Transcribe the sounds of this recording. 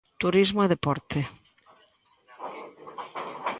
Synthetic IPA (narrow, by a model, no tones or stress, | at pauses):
t̪uɾizmoeðepɔɾt̪e